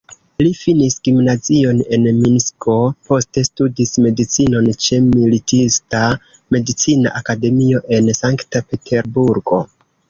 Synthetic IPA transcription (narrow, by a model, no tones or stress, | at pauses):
lifinisɡ̥imnazio̞ne̞nminskʰo̞po̞ste̞studisme̞dit͡sino̞nt͡ʃe̞militista | me̞dit͡sina̰ʔakade̞mio̞ʔe̞nsaŋktape̞tʰe̞ɾbuɾɡo̞